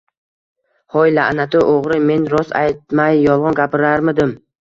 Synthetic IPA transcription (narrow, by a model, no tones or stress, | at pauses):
hɒjlaʔnat̪ʰʊʔoʁɾɪme̞nɾɒsa̰jt̪̚majːɒlˠʁɑnɡʲapʰɪɾaɾmɪd̪ɪm